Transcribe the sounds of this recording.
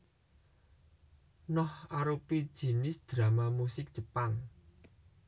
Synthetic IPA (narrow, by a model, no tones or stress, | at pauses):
nɔhaɾupid̥ʒ̥i̤nɪsd̪̥ɾa̤mamusɪk̚dʒ̥ə̤pan